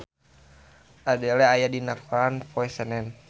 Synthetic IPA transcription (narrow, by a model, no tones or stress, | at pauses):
adɛlɛajadinakolanpɔɛsɛnɛn